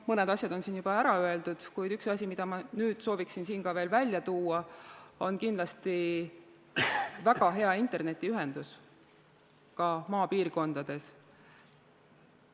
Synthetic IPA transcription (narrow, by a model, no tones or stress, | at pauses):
mɤned̪̥ɑsʲjɑd̪o̞nsiːnjubɑæɾɑøe̞ld̪ud̪̥kujd̪̥yksɑsʲimid̪̥ɑmɑnyːd̪̥so̞ːviksinsiːnkɑve̞ːlvælʲjɑt̪uːɑo̞nkind̪lɑst̪i | væɡ̥ɑɦe̞ɑint̪ˑe̞rne̞t̪ːˑiyɦe̞nd̪us | kɑmɑːpiːrko̞nd̪̥ɑd̪̥e̞s